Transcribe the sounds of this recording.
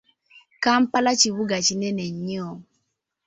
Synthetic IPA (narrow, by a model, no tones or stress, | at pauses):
kampalat͡ʃiwuɡat͡ʃinɛnɛɲiɔ